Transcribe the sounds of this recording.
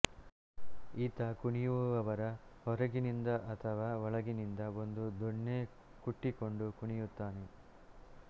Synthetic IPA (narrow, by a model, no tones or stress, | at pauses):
iːt̪ɐkuɳijuʋɐʋɐɾɐhɔɾɐɡinind̪ɐʔɐt̪ʰɐʋaːʋɔɭɐɡinind̪ɐond̪ud̪oɳːeː | kuʈːikoɳɖukuɳijut̪ːaːne